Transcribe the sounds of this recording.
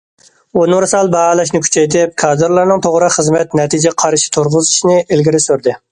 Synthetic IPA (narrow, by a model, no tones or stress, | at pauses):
onɨŋɾɨsɑlˠbɑɑlˠɑʃnɪkʲʰy̥t͡ʃʰɛjt̪ʰɪp̚kʰɑːd̪ɨɾlˠɑɾnɨŋt̪ʰoʁɾəχəzmɛt̪nɛt̪ʰid͡ʒɛqʰɑɾʃi̥t̪ʰoɾʁəzɨʃnɪʔɪlɡʲiɾɪsøɾd̪ɪ